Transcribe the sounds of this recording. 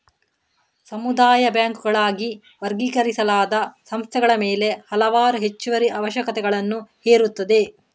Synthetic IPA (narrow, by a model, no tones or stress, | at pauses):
sɐmud̪aːjɐbjaːŋkuɡɐɭaːɡi | ʋɐɾɡiːkɐɾisɐlaːd̪ɐsɐmst̪ʰɛɡɐɭɐmeːle̞hɐlɐʋaːɾuɦe̞t͡ʃːuʋɐɾiʔɐʋɐʃjɐkɐt̪ɛɡɐɭɐnːuheːɾut̪ːɐd̪e